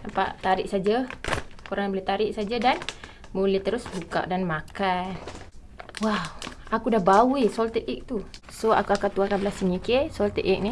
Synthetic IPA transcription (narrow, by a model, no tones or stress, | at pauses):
napa̰ʔt̪aɾɪʔ̚sad͡ʒakoɾaŋjbəlet̪aɾɪʔ̚sad͡ʒadan | bulɛht̪əɾʊsbuka̰ʔdanmakan | wawakudahbawisɔlt̪ət̪̚ik̚t̪u | soa̰kuakat̪uakanbəlasəŋikɪsɔlt̪ə̰ʔʔɛk̚ni